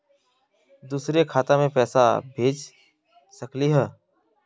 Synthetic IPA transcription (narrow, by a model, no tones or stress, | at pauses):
d̪uːsɾekʰaːt̪amẽpɛːsa̰bʱeːd͡ʒ | səkliɦɛː